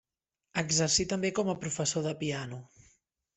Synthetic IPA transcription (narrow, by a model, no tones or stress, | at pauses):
əɡzəɾsit̪əmbekɔməpɾufəsoðəpianu